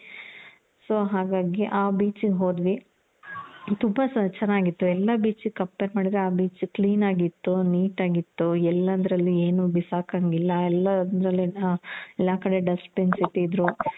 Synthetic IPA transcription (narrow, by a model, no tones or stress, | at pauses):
soːɦaːɡaːɡiʔaːbiːt͡ʃiɡɦo̞ːd̪ʋi | t̪umbɐst͡ʃɛnːaːɡit̪ːuɛlːɐbiːt͡ʃikɐpːeɾmaːɽid̪ɾeaːbiːt͡ʃkliːnaːɡit̪ːuniːʈaːɡit̪ːuɛlːɐnd̪ɐɾɐlːieːnubisaːkɐŋɡilːɐɛlːɐnd̪ɾɐlːiɛlːaːkɐɽe̞ɖɐspensit̪ːiːd̪ɾu